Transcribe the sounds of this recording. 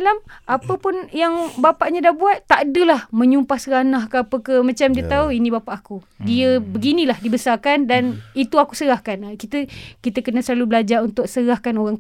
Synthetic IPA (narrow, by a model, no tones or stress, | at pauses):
alamʔapəpʊnjaŋbapaʔɲadahbuat̪ːadəlahmə̃ɲumpahsəɾanahkəapəkəmat͡ʃamdiət̪auinĩbapaʔaku | diəbəɡinĩlahdibəsarkandanit̪uaku̥səɾahkankit̪əkit̪əkənasəlalubəlad͡ʒaɾunt̪ʊk̚səɾahkanoɾaŋ